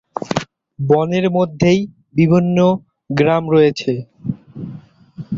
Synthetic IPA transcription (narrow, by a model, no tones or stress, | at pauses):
bɔneɾmod̪ʱːej | bibʱinːo | ɡɾamɾɔjet͡ɕʰe